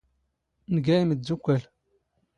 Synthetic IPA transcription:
nɡæjiməzukʷːæl

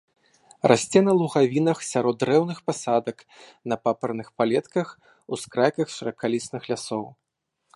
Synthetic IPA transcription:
rasʲt͡sʲɛnɐlˠuɣavʲinɐxsʲaɾɔd̪ːɾɛwnɨxpasad̪ɐknɐpapɐrnɨxpalʲɛt̪kɐx | uskɾajkɐxʂɐɾɐkalʲisnɨxlʲasɔw

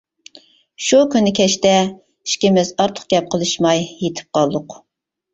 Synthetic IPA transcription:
ʃukʲynːɪkʲʰɛʃt̪ɛ | i̥ʃkʲɪmɪzɑɾt̪ʰʊ̥q̚ɡʲɛp̚qʰəlˠɨʃmɑjjet̪ʰɪ̥p̚qʰɑlˠd̪ʊq

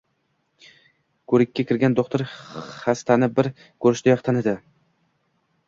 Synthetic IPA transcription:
kʰɵɾɪkʲːakʲʰɪɾɡʲand̪oqt̪ʰɪɾχast̪ʰanɪbɪɾ | kʰɵɾɪʃt̪ɪjɒχt̪ʰanɪd̪ɪ

